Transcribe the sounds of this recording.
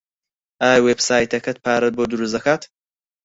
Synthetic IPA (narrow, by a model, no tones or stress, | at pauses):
ʔaːjweːbsaːjt̪ɐkɐt̪̚pʰaːɾɐt̪̚boːd̪uɾusd̪ɐkaːt̪